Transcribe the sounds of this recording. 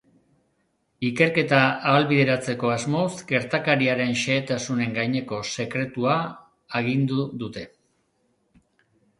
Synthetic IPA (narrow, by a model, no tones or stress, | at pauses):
ike̞ɾke̞t̪aːβalβiðe̞ɾat͡se̞ko̞azmo̞sɡe̞ɾt̪akaɾiaɾe̞nʃe̞ːt̪asune̞ŋɡajɲe̞ko̞se̞kɾe̞t̪uaː | ɣind̪uðut̪e̞